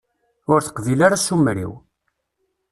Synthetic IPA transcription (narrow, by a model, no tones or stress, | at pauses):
ʊɾθə̥qðilaɾasumɾḭw